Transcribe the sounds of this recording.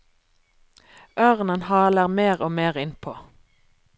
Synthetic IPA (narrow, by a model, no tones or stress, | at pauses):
ʔœʁnənhɑːləʁmeːʁoːmeːʁɪnpʰoː